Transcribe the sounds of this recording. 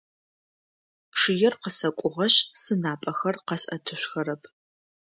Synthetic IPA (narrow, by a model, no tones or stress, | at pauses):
ʂɨjɛrqəsɐkʷʼʊʁɐɕsɨnaːpʼɐxɐrqɐsʔɐtʰɨɕʷxɐɾɐpʰ